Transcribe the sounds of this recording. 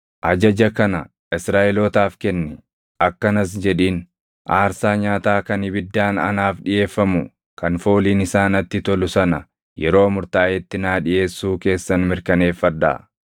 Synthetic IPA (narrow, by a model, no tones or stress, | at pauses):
ʔɐd͡ʒɐd͡ʒɐkɐnɐ | ɪsɾaːʔɛloːt̪aːfkɛnːɪ | ʔɐkːɐnɐs̬d͡ʒɛᶑiːn | ʔaːɾsaːɲaːt̪aːkɐnɪbɪd̪ːaːnɐ̰naːfᶑɪje̞ːfːɐmʊ | kɐnfo̞ːliːnɪsaːnɐt̪ːɪt̪ɔlʊsɐnɐ | jɛɾo̞ːmʊɾt̪aːʔɛt̪ːɪnaːᶑɪje̞ːsːuːke̞ːsːɐnmɪɾkɐne̞ːfːɐd̪ːa̰ː